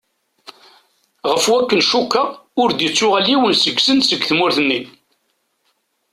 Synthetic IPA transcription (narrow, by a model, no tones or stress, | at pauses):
ʁəfwækːənʃukːaʊɾd̪jət͡sːʊʁəliwənsəɡsənsəɡθmʊɾθənːi